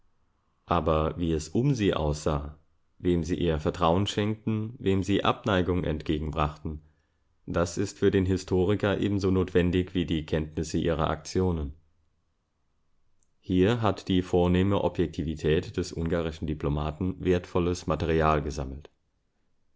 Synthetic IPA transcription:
ʔaːbɐviːɛsʔʊmziːʔa̰ʊsz̥aː | veːmziːʔiːɐfɛɐtʁ̥aʊənʃɛŋk̚tn̩veːmziːʔa̰pnaɪɡʊŋʔɛ̰ntɡ̥eːɡŋ̩bʁaχtn̩ | d̥asɪstfyːɐdeːnɦɪstʰoːʁ̞ɪkɐʔḛːbm̩zoːnoːtv̥ɛndɪçv̥iːdiːkʰɛntnɪsəʔiːʁɐ̰ʔa̰k̚t͡sjoːnən | hiːɐɦatd̥iːfoːɐneːməʔɔ̰pjɛk̚tʰiːvitʰɛːtd̥ɛsʔʊŋɡaːʁɪʃn̩diplomaːtn̩veːɐtfɔləsmatɛʁiaːlɡəzaml̩t

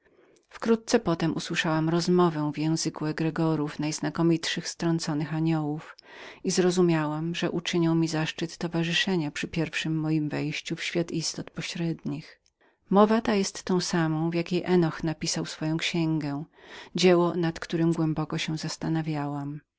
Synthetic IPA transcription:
fkɾut̪̚t̪sɛpɔt̪ɛmʔuswɘʂawamɾɔzmɔvɛ̃vjɛ̃w̃zɘkuɛɡɾɛɡɔɾufnajznakɔmʲitʂɘxst̪ɾɔnt̪sɔnɘxaɲɔwuf | izɾɔzumʲjawamʐɛʔut͡ʂɘɲɔwmʲizaʂt͡ʂɘt̪ːɔvaʐɨʂɛɲapʂɘpʲjɛɾfʂɘmːɔjimvɛjɕt͡ɕufɕfʲjat̪ist̪ɔt̪pɔɕɾɛd̪ɲix | mɔvat̪ajɛst̪ːɔ̃w̃samɔ̃w̃vjakʲejʔɛnɔxnapʲisawsfɔjɔ̃w̃kɕɛŋɡɛ̃d͡ʑɛwɔnat̪kt̪uɾɘmɡwɛmbɔkɔɕɛ̃zast̪anavʲjawam

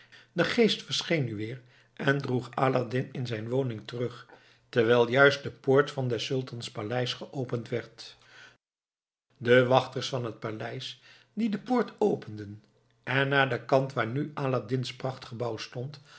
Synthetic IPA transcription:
dəχejstfəɹsχejnːyʋɪːɹ | ʔɛndruχaːladɪnɪnzɛjnʋownɪŋtərɵχ | tɛɹʋɛlˠjœɥst̚dəpʊːɹtfɑndɛsɵlˠtɑnspalɛjsχəʔowpəntʋɛɹt | dəʋɑχtəɹsfɑnɦət̚palɛjs | didəpʊːɹtʰowpəndən | ʔɛnːaːdəkɑntʋaːɹnyʔaːladɪnsprɑχtχəbɑwstɔnt

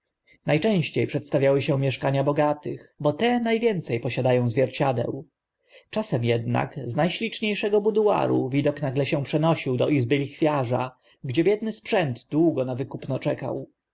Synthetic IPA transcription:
najt͡ʂɛ̃w̃ɕt͡ɕejpʂɛt̪st̪avʲjawɘɕɛ̃mʲjɛʂkaɲabɔɡat̪ɘxbɔt̪ɛnajvʲjɛnt̪sɛjpɔɕad̪ajɔ̃w̃zvʲjɛɾt͡ɕad̪ɛ̰w | t͡ʂasɛmjɛd̪na̰kznajɕlʲit͡ʂɲejʂɛɡɔbud̪ua̰ɾṵvʲid̪ɔknaɡlɛɕɛ̃pʂɛnɔɕiwd̪ɔʔizbɘlʲixfʲjaʐa̰ | ɡd͡ʑɛbjɛd̪̚nɘspʂɛnd̪d̪wuɡɔnavɘkupnɔt͡ʂɛka̰w

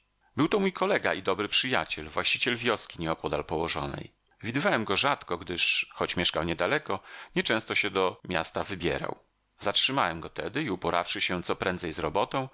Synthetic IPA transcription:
bɘwt̪ɔmujkʰɔlɛɡa̰id̪ɔbɾɘpʂɘja̰t͡ɕɛlvwaɕt͡ɕit͡ɕɛlvʲjɔskʲiɲɛɔpɔd̪alpɔwɔʐɔ̰nɛ̰j | vʲid̪ɘvawɛmɡɔʐat̪kɔɡd̪ɘʂxɔt͡ɕmʲjɛʂkawɲɛd̪alɛkɔɲɛt͡ʂɛ̃w̃st̪ɔɕɛd̪ɔmʲja̰st̪avɘbʲjɛ̰ɾa̰w | zatʂɘmawɛmɡɔt̪ɛd̪ɘiupɔɾa̰fʂɘɕɛt̪sɔpɾɛnd̪zɛjzɾɔbɔt̪ɔ̃w̃

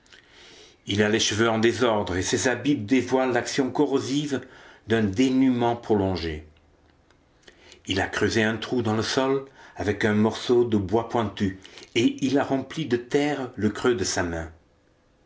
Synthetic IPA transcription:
ilaleʃəvøɑ̃d̪ezɔʁd̪ʁesezabip̚d̪evwalːaksjɔ̃kɔʁozivd̪ɛ̃d̪enymɑ̃pχɔlɔ̃ʒe | ilakχøzeɛ̃t̪χud̪ɑ̃ləsɔlavɛkɛ̃mɔʁsod̪əbwapwɛ̃t̪yeilaʁɑ̃plid̪ət̪ɛʁləkχød̪əsamɛ̃

